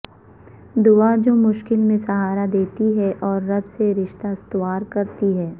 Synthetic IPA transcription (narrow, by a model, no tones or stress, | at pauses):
d̪ʊad͡ʒoːmʊʃkɪlmẽsɐɦaːɾad̪eːt̪iɦɛʔɔːɾːɐd̪seɾɪʃt̪ast̪ʋaːɾkɐɾt̪iɦɛː